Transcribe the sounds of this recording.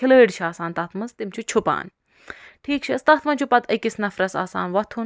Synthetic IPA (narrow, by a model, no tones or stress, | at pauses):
iləːɖt͡ʃʰaːsaːnt̪ɐːt̪ʰmɐst̪imt͡ʃʰut͡ʃʰupa̰ːn | ʈʰiːk̚t͡ʃʰist̪aːt̪ʰmɐnt͡ʃʰupɐt̪ʰɐkisnɐfɾɐsa̰ːsa̰ːnʋɐt̪ʰu